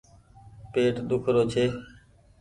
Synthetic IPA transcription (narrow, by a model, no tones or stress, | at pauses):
peːʈɗ̪ʊkʰɾoːt͡ʃʰeː